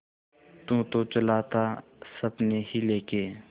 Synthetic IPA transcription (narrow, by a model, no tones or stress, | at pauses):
t̪ũːt̪ot͡ʃəlat̪ʰa | səbnehileːkeː